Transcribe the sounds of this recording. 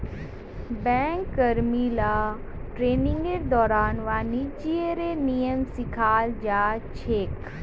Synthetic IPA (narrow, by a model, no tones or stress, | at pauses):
bɛ̃ːŋkːəɾmilaː | ʈɾeːnɪ̃ŋɡeɾd̪ɔːɾaːnʋaːnid͡ʒieɾenijəmsɪkʰaːld͡ʒaːt͡ʃʰeːk